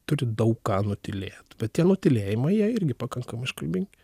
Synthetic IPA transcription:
t̪ʊɾʲɪd̪ɐʊkkɑːnʊt̪ʲɪlʲeːt̪bʲɛt̪tʲiɛnʊt̪ʲɪlʲeːjɪmɐɪjiɛɪɾʲɡʲɪpɑkɐŋkɐmɐɪɪʃkɐlʲbʲɪŋʲɡʲɪ

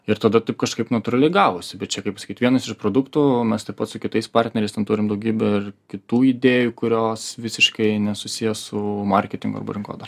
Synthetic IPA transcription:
ɪɾt̪ɐd̪ɐt̪ɐɪpkɐʃkɐɪpnɐt̪ʊɾɐlʲɛɪɡɑːʋoːsʲɪbʲɛt̪̚t͡ʃʲɛkɐɪpɐsɐ̥kʲitʋiɛnɐsɪʃpɾoːd̪ʊkt̪umʲɛst̪ɐɪpɐt̪sʊkʲɪt̪ɐɪspɑrʲt̪ʲnʲɛɾʲɛɪst̪ʲɛnt̪uːɾʲɪmd̪ɐʊɡʲiːbʲɛɪrkʲɪt̪uːid̪ʲeːjukʊɾʲoːsʋʲɪsʲɪʃkɐɪnʲɛsʊsʲɪjɛsʊmɐrʲkʲɛt̪ʲɪŋɡʊɐ̰ɾbɐ̰ɾʲɪŋko̰ːd̪ɐr

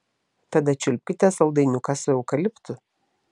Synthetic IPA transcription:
t̪ɐd̪ɐt͡ʃʲʊlʲpʲkʲɪt̪ʲɛsɐlˠd̪ɐɪnʲʊkɑsʊɛʊkɐlʲɪpt̪ʊ

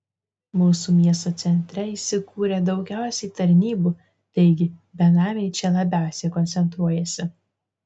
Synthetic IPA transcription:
muːsuːmʲiɛst̪oːt̪sʲɛnʲt̪ʲɾʲɛiːʃsʲɪkuːɾʲed̪ɒʊɡʲæˑʊsʲɛɪt̪ɐɾʲnʲiːbuː | t̪ɐɪɡʲɪbʲɛnɑːmʲeɪt͡ʃʲɛlˠɐbʲæˑʊsʲeːkɔnʲt̪sʲɛnt̪ɾuɔjɛsʲɪ

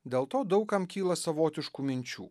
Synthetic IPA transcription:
d̪ʲeːlˠt̪oːd̪ɐʊkɐmkʲiːlˠɐsɐʋoːt̪ʲɪʃkumʲɪnʲt͡ʃʲṵː

